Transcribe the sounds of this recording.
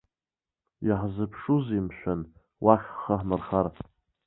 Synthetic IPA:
jaħzɨpʰʂuzimʃᶣʷan | wʔaχʲχaħmɨrχar

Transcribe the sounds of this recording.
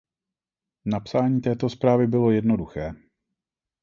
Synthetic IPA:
napsaːɲiːt̪ɛːt̪o̞spɾaːvɪbɪlo̞jɛdno̞duxɛː

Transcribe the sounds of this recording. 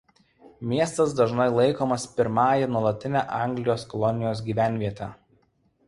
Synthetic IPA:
mʲiɛst̪ɐs̬d̪ɐʒnɐɪlˠɐɪkoːmɐspʲɪɾmɑːjɛnuɔlˠɐt̪ʲɪnʲæʔɑˑŋʲɡlʲɪjoːskɔlˠɔnʲɪjoːs̬ɡʲiːʋʲæˑnʲʋʲiɛt̪ʲæː

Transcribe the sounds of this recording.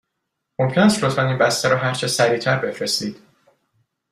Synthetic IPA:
mo̞mcʰʲenæst̪lo̞t̪fæninbæst̪æɾɒːɦæɾt͡ʃʰesæɾiːt̪ʰæɾbe̞fɾest̪iːd̪̥

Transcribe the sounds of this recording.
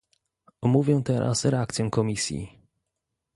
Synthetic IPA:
ɔmuvʲjɛ̃t̪ɛɾʔa̰sɾɛakt̪sʲjɔ̃w̃kɔmʲisʲjḭ

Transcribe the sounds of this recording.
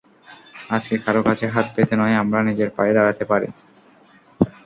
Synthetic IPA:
ad͡ʑkekaɾokat͡ɕʰeɦat̪pet̪enɔeamɾanid͡ʑeɾpa̰ed̪aɾat̪epaɾḭ

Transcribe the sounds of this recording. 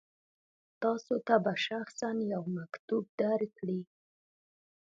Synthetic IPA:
t̪ɑsot̪abaʃaxsanjawmakt̪ub̚d̪aɾkɽi

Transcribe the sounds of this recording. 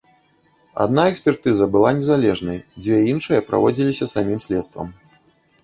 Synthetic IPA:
a̰d̪̚naɛksʲpʲɛrt̪ɨzɐbɨlˠanʲɛzalʲɛʐnɐjd͡zʲvʲɛinʂɨjɐpɾʔa̰vɔd͡zʲilʲisʲɐsamʲimsʲlʲɛt̪st̪vɐ̰m

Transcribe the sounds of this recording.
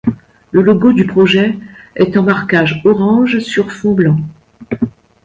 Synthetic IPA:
ləlɔɡod̪ypχɔʒɛɛt̪ɛ̃maʁkaʒɔʁɑ̃ʒsyʁfɔ̃blɑ̃

